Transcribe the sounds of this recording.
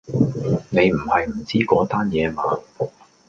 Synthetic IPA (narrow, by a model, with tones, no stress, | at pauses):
ne˨˧jm̩˨˩hɐ˨jm̩˨˩t͡siː˥kɔː˨˥t̪aː˥njɛː˨˧maː˨˧